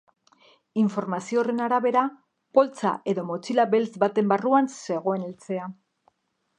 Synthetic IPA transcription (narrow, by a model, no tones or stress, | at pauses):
iɱfo̞ɾmasio̞re̞naɾaβe̞ɾa | po̞lt͡sa̰ʔe̞ðo̞mo̞t͡silabe̞lt͡sbat̪e̞mbaruansse̞ɣ̞o̞e̞nelt͡se̞a